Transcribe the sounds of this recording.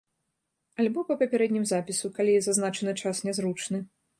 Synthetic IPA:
alʲbɔpɐpʲɐpʲɛɾɛd̪ʲnʲimzapʲisukalʲizaznat͡ʂɐnɨt͡ʂasnʲɛzɾut͡ʂnɨ

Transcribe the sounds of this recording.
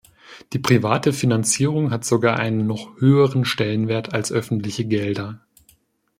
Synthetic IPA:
d̥iːpʁ̥ivaːtəfinant͡siːʁ̞ʊŋɦatz̥oɡaːɐʔa̰ɪnənːɔχhøːəʁ̞ənʃtɛlənveːɐtʰalsʔœfn̩tlɪçəɡɛldɐ

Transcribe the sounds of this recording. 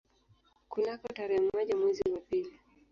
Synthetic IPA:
kulakɔtaɾɛːmɔʄamwɛziwapili

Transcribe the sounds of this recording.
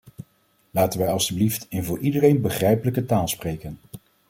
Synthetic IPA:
laːtənʋɛjɑlˠstybliftɪnvʊːɹʔidərejnbəχrɛjpələkətaːlˠsprejkən

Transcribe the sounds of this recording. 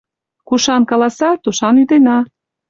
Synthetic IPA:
kuʃɑnkɑlɑsɑt̪uʃɑnyd̪enɑ

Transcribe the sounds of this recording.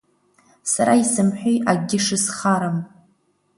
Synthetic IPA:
saɾaisɨmħʷᶣejaɡʲɪʂɨsχaɾam

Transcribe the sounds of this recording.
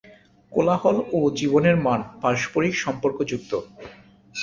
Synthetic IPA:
kolahɔlod͡ʑiboneɾmanpaɾʃo̥poɾikʃɔmpoɾkod͡ʑuk̚t̪o

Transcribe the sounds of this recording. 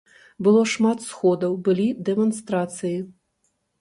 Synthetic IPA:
bɨlˠɔʂmat̪sxɔd̪ɐwbɨlʲid̪ɛmɔnst̪ɾat̪sɨji

